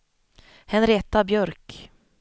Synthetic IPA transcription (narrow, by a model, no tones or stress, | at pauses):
hɛnɾeːt̪abjœɾk